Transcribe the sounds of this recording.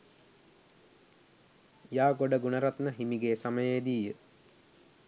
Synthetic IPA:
jaːɡoɖəɡunəɾat̪nəɦimiɡeːsaməjejd̪iːjə

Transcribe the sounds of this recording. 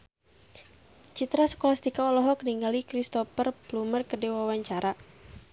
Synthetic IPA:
t͡ʃit̪ɾasə̥kolast̪ikaɔlɔɦɔkəniŋɡalikɾist̪ɔpərplumərkədewawaɲt͡ʃaɾʔa

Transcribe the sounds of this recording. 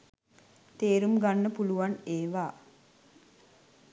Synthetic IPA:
t̪eːɾumɡanːəpuluʋaneːʋaː

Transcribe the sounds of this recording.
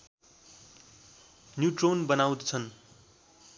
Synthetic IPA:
njuʈronbʌnaw̃d̪t͡sʰʌn

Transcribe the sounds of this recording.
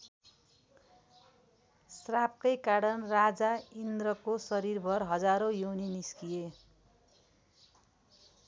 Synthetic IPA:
srap̚kʌjkaɾʌnrad͡zaind̪ɾʌkosʌɾirbʱʌrɦʌd͡zaɾojowniniskije

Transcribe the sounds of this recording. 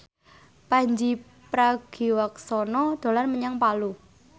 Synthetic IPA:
paɲd͡ʒi | pɾaɡ̥iwaksɔnɔd̪̥o̤larməɲaŋpalu

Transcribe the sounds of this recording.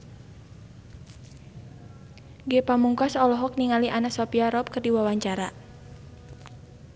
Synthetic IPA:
ɡepamuŋkɔsɔlɔɦɔk̚niŋaliʔanasɔpiaɾɔp̚kərdiwawaɲt͡ʃaɾa

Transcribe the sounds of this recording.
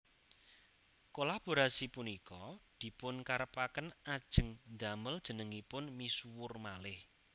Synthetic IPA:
kolab̥o̤ɾasipunikɔd̪̥i̤pʊnkaɾəpakənad̥ʒ̥ə̤ŋnd̪a̤məld̥ʒ̥ə̤nəŋipʊnmisuwʊrmalɪh

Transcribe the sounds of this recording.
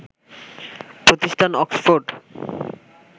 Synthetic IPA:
pɾot̪iʃʈʰanɔksfoɾɖ

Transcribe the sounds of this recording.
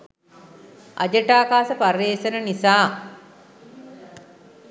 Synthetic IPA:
ʔa̰d͡ʒəʈaːkaːsəpareːsənənisaː

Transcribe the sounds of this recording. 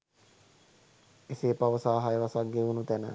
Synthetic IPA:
eseːpaʋəsaːɦajəʋasak̚ɡeunut̪ænə̰

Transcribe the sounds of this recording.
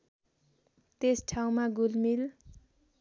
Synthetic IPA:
t̪esʈʰaw̃maɡulmil

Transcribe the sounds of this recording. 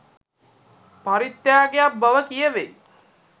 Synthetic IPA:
paɾit̪ːjaːɡejapbəʋəkijəʋej

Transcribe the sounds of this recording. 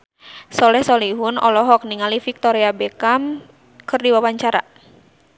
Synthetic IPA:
sɔlɛhsɔliɦunɔ̰lɔɦɔk̚niŋalifik̚t̪ɔɾiabɛkam | kɨrdiwawaɲt͡ʃaɾa

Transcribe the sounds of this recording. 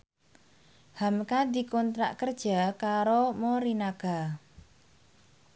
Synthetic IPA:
hamkad̪i̤kɔnt̪ɾa̰ʔkərd̥ʒ̥a̤kaɾomoɾinaɡ̥a̤

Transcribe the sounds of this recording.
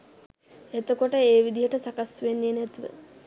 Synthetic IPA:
et̪əkoʈəeːʋid̪ijəʈəsakasʋenːinæt̪uʋə̰

